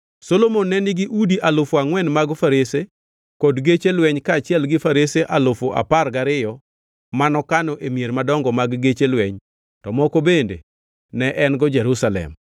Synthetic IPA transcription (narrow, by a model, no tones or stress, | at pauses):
solomonːɛnɪɡɪʔudiʔalofoaŋwɛnmaɡfaɾese | kɔdɡet͡ʃelwɛɲkaːt͡ʃɪɛlɡɪfaɾeseʔalofoʔa̰parɡaɾɪjɔ | manɔkanɔʔemijeɾmadɔŋɡɔmaɡɡet͡ʃelwɛɲ | tɔmɔkobendḛ | nɛʔɛnɡɔd͡ʒɛɾusalɛ̰m